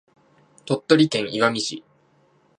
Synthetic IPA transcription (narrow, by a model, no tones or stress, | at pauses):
t̪o̞t̪ːo̞ɾʲit̪ẽ̞ɰ̃iɡamʲiɕi